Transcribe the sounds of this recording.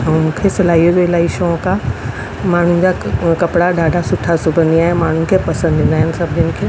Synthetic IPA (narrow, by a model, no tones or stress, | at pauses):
mũːkʰesɐlaːioɾelaːiʃõkã | maːɳ̤ũn̆d͡ʑakɐpɽaɖaːɖʱasʊʈʰasʊbʱə̃nd̪iaːɦẽmaːɳ̤ũnɪ̆kʰepɐsə̃nd̪ʱɪ̃nd̪aːɦɪnɪ̆sɐbʱdɪnɪ̆kʰeː